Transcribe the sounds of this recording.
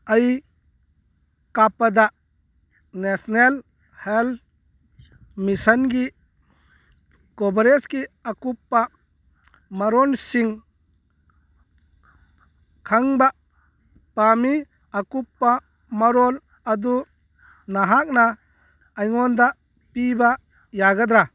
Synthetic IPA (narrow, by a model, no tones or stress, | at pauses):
aj | kapad̪a | nesnel | hel | misɐnɡi | kɔbɾeskiakupːa | maɾɔnsiŋ | kʰaŋba | pami | akupːa | mɐɾɔl | ɐd̪u | naɦak̚naː | jŋɔnd̪a | piba | jaɡad̪ɾa